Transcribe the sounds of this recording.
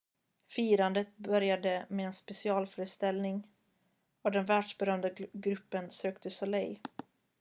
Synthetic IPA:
fiːɾand̪ət̪bœɾjad̪əmeːnspɛsɪɑːlfœːɾəst̪ɛlnɪŋ | ɔd̪ɛnvæːɖʂbɛɾœmd̪aɡɾɵpːənsøːkt̪ʰəsɔlɛj

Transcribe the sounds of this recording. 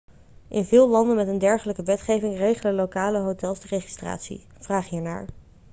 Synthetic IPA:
ʔɪnvɪːlˠlɑndənmɛtəndɛɹχələkəʋɛtχejvɪŋrejχələlokaːləɦotɛlˠsdəreχi̥stra̰ːtsḭ | v̥raːχɦiːɹna̰ːɹ

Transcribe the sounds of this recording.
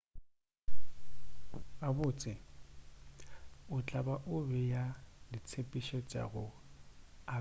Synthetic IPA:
abʊːt͡sʼɪ | ʊt͡ɬʼabaʔʊbɛjadit͡sʰepʼiʃɔt͡ʃʼa̰ɣʊ | a

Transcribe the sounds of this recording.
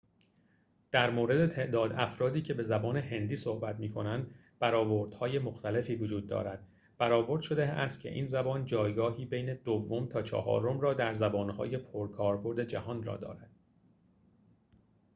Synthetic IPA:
d̪̥æɾmoːɾe̞d̪et̪ʰe̞ʔd̪ɒːd̪æfɾɒːd̪iːcʰe̞be̞zæbɒːne̞ɦe̞nd̪iːsohbæt̪miːkʰo̞nænd̪ | b̥æɾɒːvoɾd̪̥hɒːje̞mo̞xt̪æle̞fiːvod͡ʒuːd̪̚ːɒ̰ːɾæd̪̥̚ | b̥æɾɒːvo̞ɾd̪̥ʃo̞d̪eæst̪̚cʰe̞̰ʔḭːnzæbɒːnd͡ʒɒːjɡɒːɦiːbe̞jne̞d̪ovːo̞mt̪ʰɒːt͡ʃʰɒ̰hɒ̰ːɾo̞mrɒːd̪æɾzæbɒːnhɒ̰ːje̞pʰoɾkʰɒːɾbo̞ɾd̪e̞d͡ʒæhɒːnrɒ̰ːd̪ɒ̰ːɾæd̪̥̚

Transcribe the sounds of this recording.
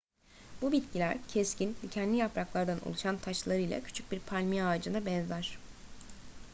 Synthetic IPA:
b̥ubit̪cilʲæɾcʰescinlʲicʰɛnd̪lʲijapɾaklˠaɾd̪anʔo̰lˠuʃant̪ʰaʃlˠaɾɯjlˠa̰cʰy̥t͡ʃʰyc̚biɾpʰalʲmiaːd͡ʒɯnabɛnzæɾ̝̥

